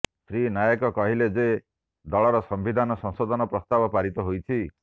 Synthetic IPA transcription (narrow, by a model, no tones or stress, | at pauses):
sɾinajɔkɔkɔɦiled͡ʒe | d̪ɔɭɔɾɔsɔmbid̪ʱanɔsɔ̃ŋsod̪ʱɔnɔpɾɔst̪abɔpaɾit̪ɔɦojt͡ʃʰi